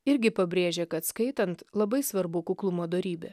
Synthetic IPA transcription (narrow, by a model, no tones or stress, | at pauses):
ɪɾʲɡʲɪpɐbʲɾʲeːʒʲeːkɐt̪skɐɪt̪ɐnt̪lˠɐbɐɪsʋɐɾbukʊklˠʊmoːd̪oːɾʲiːbʲe